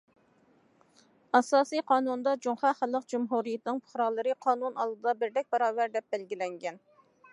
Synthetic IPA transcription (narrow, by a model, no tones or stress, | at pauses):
ɑsɑːsijqʰɑːnund̪ɑd͡ʒoŋχɑχælˠːəqd͡ʒumɦuɾijɪt̪nɪŋpʰʊ̥χɾɑlˠɨɾɨqʰɑːnunɑlˠd̪ɨd̪ɑbɪɾd̪ɛk̚ʲbɑɾɑːvæɾd̪ɛp̚bɛlɡʲilɛŋɡʲɛn